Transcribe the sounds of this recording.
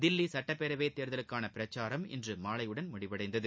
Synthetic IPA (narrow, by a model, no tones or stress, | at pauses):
d̪ɪlːisɐʈːɐpːɛɾɐʋeːt̪ːeːɾðɐlɯkːaːnɐpɪɾɐt͡ʃːaːɾɐmɪ̰ndrɯmaːɭɐjɯɽɐnmʊɽɪʋɐɽɐɪd̪ɐðɯ